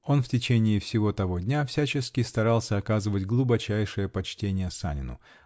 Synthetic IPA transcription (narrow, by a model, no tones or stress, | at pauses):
o̞nftʲɪt͡ɕenʲɪːfsʲɪvo̞t̪ɐvo̞dʲnʲafsʲæt͡ɕɪskʲɪst̪ɐɾɑlˠsʲəɐkazɨvətʲɡlˠʊbɐt͡ɕæjʂɨjəpɐt͡ɕtʲenʲɪjəsa̰nʲɪnʊ̰